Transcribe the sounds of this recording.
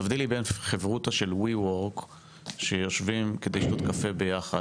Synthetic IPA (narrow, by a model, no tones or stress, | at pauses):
avd̪ilibenχevʁut̪aʃe̞lwiwoʁk | ʃejo̞ʃvimked̪ejiʃt̪ot̪kafe̞be̞jaχa